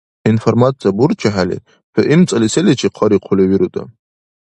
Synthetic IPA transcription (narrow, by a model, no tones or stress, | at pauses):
informat͡sʰʼijaburt͡ʃʰaħalḛ | pʰaʔimt͡sʼaliselet͡ʃʰiqʰɔɾiqʷʰʊleɥiɾutʼa̰